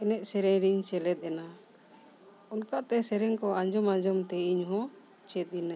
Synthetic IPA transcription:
ɛnɛʔ̪̚sɛɾɛɲɾiɲt͡ʃɛlɛt̪̚ˀɛna | ɔnkaʔt̪ɛsɛɾɛŋkɔad͡ʒɔmãd͡ʒɔmt̪ɛiɲɦɔ̃ | t͡ʃɛt̪̚ˀina

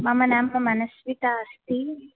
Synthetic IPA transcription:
mɐmɐnaːmpɐmɐnɐsʋit̪ɐːst̪i

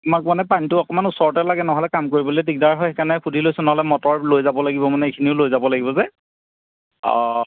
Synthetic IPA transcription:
amak̚manɛpantʊɔkɔmanusɔɹɔtɛlaɡɛnɔɦɔlɛkamkoɹibɔlojtik̚daɹɦɔjxɛkanɛkʰudʱilojsʊnɔɦɔlɛmɔtɔɹlojzabɔlaɡibɔmanɛikʰiniʊlojzabɔlaɡibɔzɛ

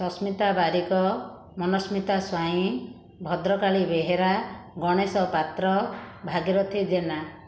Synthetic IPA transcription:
sɔsmit̪abaɾikɔ | mɔnɔsmit̪aswaĩ | bʱɔd̪ɾɔkaɭibeɦeɾaɡɔɽ̃esɔpat̪ɾɔbʱaɡiɾɔt̪ʰid͡ʒena

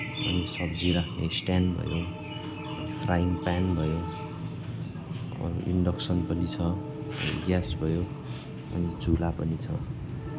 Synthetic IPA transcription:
ʌ̰nisʌbd͡ziɾakʰnesʈanbʱʌ̰jo | pʰrajmpanbʱʌjo | ʌ̰ɾuʔḭɳɖʌksʌnpʌnit͡sʰʌ | iɡjasbʱʌjo | ʌ̰nit͡sulapʌnit͡sʰʌ

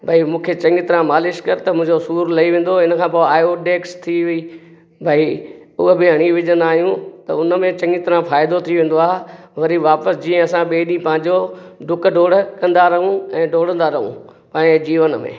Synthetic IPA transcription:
bʱɐimũːkʰet͡ɕɐ̃ŋɡɪt̪ɪɾãmaːlɪʃkɐɾt̪ɐmʊ̃ɦɪ̃ɲd͡ʑosuːɾlɐiʋẽːn̆d̪oɪnəkʰãːpoaːjoʈeːkst̪ʰiʋi | bʱai | ʊɦəbɪɦɐɽ̃iʋɪʄə̃nd̪aːɦijũt̪ɐʊnəmẽt͡ɕɐ̃ŋɡɪt̪ɪɾãfaːɪd̪ot̪ʰiʋẽːn̆d̪oaːɦeʋɐɾiʋaːpəsd͡ʑiːə̃ɐsãɓeːɗĩpɐ̃ɦɪ̃ɲ̆d͡ʑo | ɖʊkɖʱoːɽkɐ̃nd̪aɾɐɦũɛ̃ːɖʱoːɽ̤ə̃nd̪aɾɐɦṵ̃pãːed͡ʑiːʋənmḛ̃ː

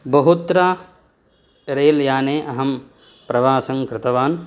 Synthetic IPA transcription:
bɐɦut̪ɾa | ɾeːljaːneːʔɐɦɐm | pɾɐʋaːsɐŋkɾɪt̪ɐʋaːn

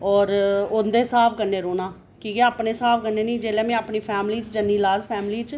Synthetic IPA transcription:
ɔːɾʊnd̪eːsaːpʰkənːeːɾoːnaː | kiːɡɛːəpneːsaːpʰkənːeːnĩːd͡ʒeːlɛːmɛ̃ːapniːpʰɛːmliːt͡ʃd͡ʒənːiːlaːzpʰɛːmliːt͡ʃ

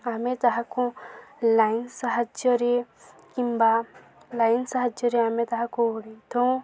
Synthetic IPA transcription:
amet̪aɦakũlainsaɦad͡ʒɔɾe | kimba | lajnsaɦad͡ʒɔɾeamẽt̪ɐɦãkũɽit̪õ

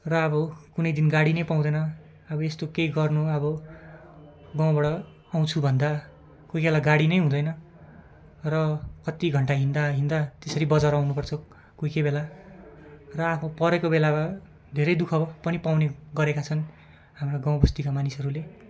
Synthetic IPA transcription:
rʌʌbʌkunʌjd̪inɡaɽinʌjpaw̃d̪ʌnʌ | ʌbʌest̪okejɡʌrnuʌbʌ | ɡaw̃bʌɽʌ | aw̃t͡sʰubʱʌnd̪a | kojkelaɡaɽinʌjɦũd̪ʌjnʌ | rʌkʌt̪iɡʱʌɳʈaɦind̪aɦind̪at̪esʌɾibʌd͡zaɾawnupʌrt͡sʰʌ | kojkejbela | rʌapʰʌ̃pʌɾekobelaba | d̪ʱeɾʌjd̪ukʰʌpʌnipawneɡʌɾekat͡sʰʌn | hamraɡaw̃bʌst̪ikamanisʌɾule

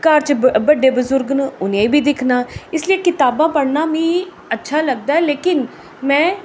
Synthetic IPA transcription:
kaːɾt͡ʃbəɖeːbəzʊɾɡnəʊnẽːibʱiːd̪ɪkʰnaːɪslieːkɪt̪aːbãːpəɽnaːmĩː | ətːʃʰaːləɡ̚d̪aːɛːleːkɪn | mɛ̃ː

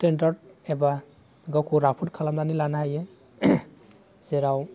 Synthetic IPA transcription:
tendaɾd̚eba | ɡakʰuɾapʰut̚kʰalamlanilanaɦaje | z̥eɾaw

